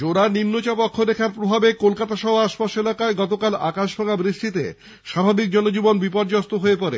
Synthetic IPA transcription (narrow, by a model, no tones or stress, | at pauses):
d͡ʑoɾanimnot͡ɕapɔkʰːoɾekʰaɾpɾobʱabekolkat̪aʃɔɦoaʃpaʃelakaeɡɔt̪okala̰kaʃbʱaŋabɾiʃʈ̪it̪ḛ | ʃabʱabik̚d͡ʑɔnod͡ʑibonbipɔɾd͡ʑast̪oɦoepɔɾḛ